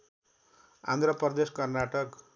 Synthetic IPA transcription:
a̰nd̪ʱrʌpʌrd̪eskʌrnaʈʌk

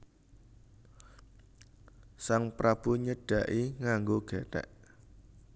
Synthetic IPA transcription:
saŋpɾab̥ṳɲəɖ̥ä̤ʔiŋaŋɡoɡ̥ɛʈɛ̰ʔ

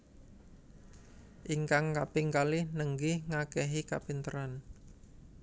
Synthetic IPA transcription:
ʔiŋkaŋkapɪŋkalɪhnəŋɡɪhŋakɛɦika̰pint̪əɾan

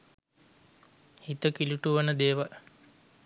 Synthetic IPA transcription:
hit̪əkiluʈuʋənəd̪eːʋal

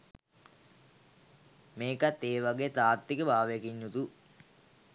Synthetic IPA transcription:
meːkat̪ːeːʋaɡeːt̪aːɾt̪ːikəbʱaːʋjekiɲːut̪u

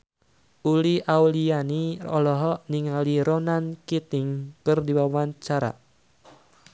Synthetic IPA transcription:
uliʔaulianiɔ̰lɔɦɔʔniŋaliɾonankit̪ɪŋkɨrdiwawant͡ʃaɾa̰

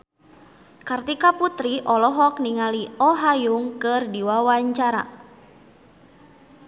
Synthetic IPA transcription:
kart̪ikaput̪ɾiʔɔlɔɦɔkniŋaliɔɦajuŋkɨrdiwawaɲt͡ʃaɾa̰

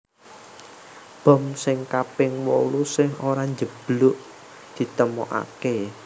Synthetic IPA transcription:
b̥ɔ̤msɪŋkapɪŋwo̰lusɪhoɾaɲd͡ʒəb̥lʊʔ | d̪̥i̤t̪əmo̰ʔa̰ke

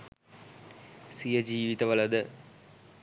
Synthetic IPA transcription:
sijɐd͡ʑiːʋit̪ɐʋɐlɐd̪ə

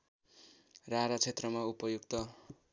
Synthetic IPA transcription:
raɾat͡sʰet̪rʌmaupʌjuɡt̪ʌ

